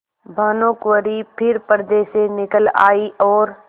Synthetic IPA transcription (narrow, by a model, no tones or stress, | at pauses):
bʱaːnõːkʋəɾipʰɪɾpəɾd̪eːsenɪkəla̰ːiʔɔːɾ